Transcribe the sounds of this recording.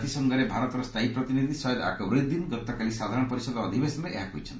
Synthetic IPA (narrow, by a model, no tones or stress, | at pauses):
t̪isɔŋɡʱaɾebʱaɾɔt̪ɔɾɔst̪ʰaipɾɔt̪inid̪ʱisɔjɔd̪a̰kɔwɾej̪̚d̪inɡɔt̪ɔkalisad̪ʱaɾɔ̃ɔpɔɾisɔd̪ɔːd̪ʱibesɔnɾeʔeɦako̰jt͡ʃʰɔnt̪